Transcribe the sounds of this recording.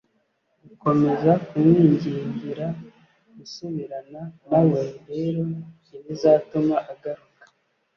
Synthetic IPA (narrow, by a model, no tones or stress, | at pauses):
ɡuko̞me̞zakumŋiːɲɟiːɲɡiɾa | ɡusuβiɾananaweɾe̞ːɾo̞ | inizaːtumaʔaɡaɾukḁ